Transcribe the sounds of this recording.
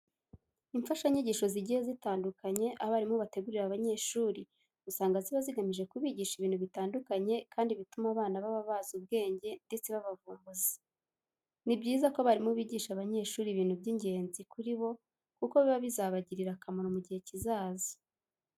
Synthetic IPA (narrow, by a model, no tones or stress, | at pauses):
iɱfaʃaiɲiɟiːʃo̞ziɟihezitaːndukaɲe̞ʔaβaɾimuβate̞ɡuɾiɾaβaɲe̞ʃuːɾi | ɡusaːŋɡaziβaziɡamiʒe̞kuβiːɟiːʃiβiːnhuβitaːndukaɲe̞kʰaːndiβitumaβaːnaβaβaβazub̚ɡe̞ːɲɟe̞nde̞t͡se̞βaβavuːmbuzi | nibɟiːzakoβaɾimuβiːɟiʃaβaɲe̞ʃuːɾiβiːn̥hubɟiɲɟe̞ːnzikuɾiβo̞ | kuko̞βiβaβizaːβaɟiɾiɾakamaɾomuɟihe̞cizaːzi